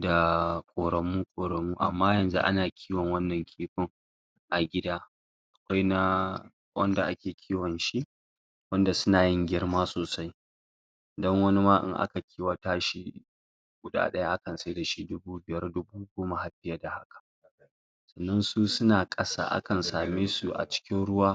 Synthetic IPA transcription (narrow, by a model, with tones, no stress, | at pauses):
da˨kʷʼoː˨ɾɐ˨mːuː˦kʷʼoː˨ɾɐ˨mːuː˦ʔa̰˨mːaː˦jɐ˨nzṵ˦ʔa̰˦naː˨kʲʰiː˦wɐ˨ŋwɐ˦nːɐ˨ŋkʲʰiː˦ɸɪ˦ŋ | ʔa˨ɡʲɪ˦daː˦ | ʔa˨kʷa˦jna˦ | wʔɐ̰˦nda˨ʔa˦kʲeː˨kʲʰiː˦wɐ˨nʃi˦ | wɐ˦nda˨sʊ˦naː˨jɪ˦ŋɡʲɪ˦rmaː˦soː˨sa˦j | dɐ˦ŋwɐ˦ni˦maː˦ʔɪ̰˦˨ŋʔa̰˦ka˨kʲʰiː˦wa˨taː˦ʃi˦ | ɡ̥ʷʊ˨ɗa̰ː˦ɗɐ˦ja˦ʔa˦kɐ˨nsa˦jda˨ʃi˦dʊ˦buː˦bɪ˨jɐ˦rdʊ˦buː˦ɡʷoː˦ma˨ha˨ɸɪ˦ja˦da˨ha˦kḁ˨ʔ | sɐ˨nːɐ˦nsuː˦sʊ˦naː˨kʼɐ˦sa̰ː˦˨ʔa̰˦kɐ˨nsaː˨meː˦su˨ʔa̰˨t͡ʃɪ̥˦kʲɪ˦nɽʊ˦waː˦